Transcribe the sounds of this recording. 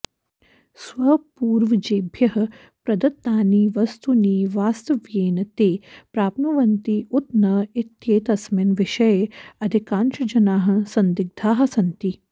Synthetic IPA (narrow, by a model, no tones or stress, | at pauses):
sʋɐpuːɾʋɐd͡ʒeːbʱjɐɦɐ̆ | pɾɐd̪ɐt̪ːaːniːʋɐst̪uniːʋaːst̪ɐʋjeːnɐt̪eːpɾaːpnuʋɐnt̪iut̪nɐit̪jeːt̪ɐsmɐnʋɪʃɐjeɐd̪ʱikaːnʃɐd͡ʒɐnaːɦɐ̆sɐnd̪iɡ̚d̪ʱaːɦɐsɐnt̪i